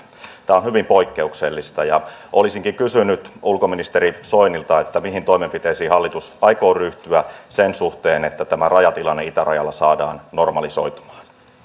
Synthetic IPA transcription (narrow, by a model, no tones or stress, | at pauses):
t̪æːonhyʋimpo̞ikːeukselːist̪ɑjɑʔolisiŋkiŋkysynyt̪ulkominist̪eɾiso̞inilt̪ɑet̪ːæmiɦint̪o̞imempit̪eisiːhɑlːit̪usʔɑjko̞ːryht̪yæsensuht̪eːnet̪ːæt̪æmærɑjɑt̪ilɑnːeit̪ærʔɑ̰jɑlːɑsɑːdɑ̰ːnːo̞rmɑliso̞̰it̪u̥mɑ̥ːn